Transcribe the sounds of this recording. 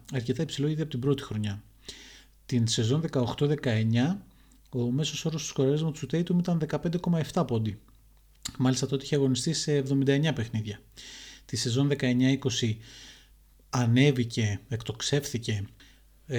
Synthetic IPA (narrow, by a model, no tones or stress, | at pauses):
ɐɾce̞t̪ɐipsilo̞iðeɐpo̞t̪ibɾo̞t̪ixɾo̞ɲɐ | t̪inse̞zo̞nðe̞kɐoxt̪o̞ðe̞kɐe̞ɲɐ | o̞me̞so̞so̞ɾost̪uskoɾɐlezmɐt̪usut̪e̞jt̪umit̪ɐnðe̞kɐpe̞nd̪eko̞mɐe̞ft̪ɐpo̞nd̪i | mɐlist̪ɐt̪ot̪ieçeɐɣo̞nist̪ise̞ːvðo̞mind̪ɐe̞ɲɐpe̞xniðʝɐt̪ise̞zo̞nðe̞kɐe̞ɲɐiko̞si | ɐne̞vice̞ekt̪o̞kse̞fθice̞